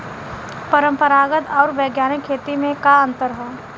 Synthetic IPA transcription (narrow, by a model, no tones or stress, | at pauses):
pəɾə̃mpəɾaːɡət̪ɔːɾʋɛːɡjaːnikʰːeːt̪imẽkaə̃nt̪əɾɦɛː